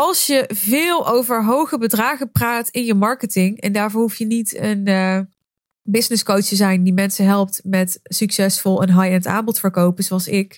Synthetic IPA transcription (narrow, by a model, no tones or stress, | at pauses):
ɑlˠsjəvɪːlˠowvəɹɦowχəbədraːχəpraːtɪnjəmɑɹkətɪŋɛ̰ndaːɹvʊːɹɦuftjənitən | bɪsnɪskowttəzɛjndimɛnsəɦɛlˠp̚tmɛtsyksɛsfɔlˠənɦɑjɛnta̰ːmbɔtfəɹkowpənzowɑlˠsɪk